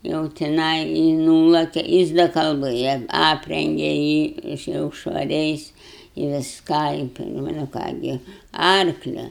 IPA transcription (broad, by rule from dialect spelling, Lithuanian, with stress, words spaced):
jɛʊ tʲɪˈnɐɪ jɪ ˈnuːlˠɐkʲɛ ˈjɪs dɐ kɐlˠˈbɘjɛ ˈɑːpʲrʲɛŋʲɡʲɛ jiː ɪʃ jɛʊ ʃʋɐˈrʲɛɪs ɪ ʋʲɪsˈkɑː ɪ nʊ ˈkɑː ɡʲɪ ˈɐrklʲɛ